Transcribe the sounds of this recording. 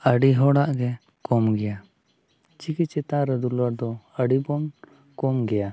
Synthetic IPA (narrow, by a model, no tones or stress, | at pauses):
əɖiɦɔɽaʔɡɛ | kɔmɡɛja | t͡ʃikit͡ʃɛt̪aɾɛd̪ulɔɾd̪ɔəɖibɔn | kɔmɡɛja